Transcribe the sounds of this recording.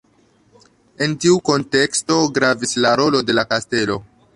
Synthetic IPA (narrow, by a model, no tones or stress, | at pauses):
e̞ntiuko̞nte̞ksto̞ɡɾavislaɾo̞lo̞de̞lakaste̞lo̞̰